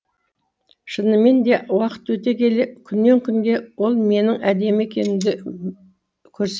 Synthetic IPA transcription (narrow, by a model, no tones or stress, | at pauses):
ʃənəme̞nd̪e̞wɑqə̥t̪wɵt̪e̞kʲe̞lɪkʲʰʏnːe̞ŋkʲʰʏŋɡʲe̞wo̞lˠme̞nɪŋæd̪e̞me̞kʲe̞nɪmd̪ɪ | kʲʰɵɾs